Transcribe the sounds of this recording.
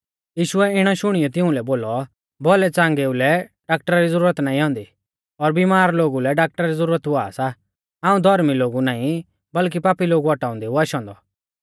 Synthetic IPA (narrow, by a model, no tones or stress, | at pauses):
jiːʃʊɛɪɽ̃ɔʃʊɽ̃ijɔt̪ɪʊ̃lɛboːlɔ | bɔlɛt͡sãːŋɡeulɛɖaːk̚ʈəɾaɾid͡zɐɾuːɾət̪naːĩɦɔ̃ːnd̪i | ɔɾbimaːɾloːɡulɛɖaːk̚ʈəɾaɾizəɾuːɾət̪uaːsa | aːũd̪ʱɔɾmiloːɡunaːĩ | bɐlk̬ipaːpiloːɡuɔʈaːɔ̃nd̪euaʃɔ̃ːnd̪ɔ